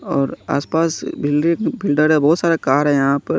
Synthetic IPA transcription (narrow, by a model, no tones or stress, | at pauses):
ɔːɾa̰ːspaːsbɪlɖɪ̃ŋbɪlɖəɾɛbɔːt̪saːɾakaːɾɦɛ̃jɐɦãpɐɾ